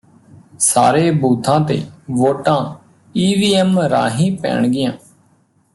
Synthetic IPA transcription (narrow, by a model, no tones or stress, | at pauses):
sa̰ːɾeːbuːt̪ʰãːt̪ḛːʋoːʈãː | iːʋiːɛːmɾa̰ːɦĩːpɛ̰ːɳɡɪjãː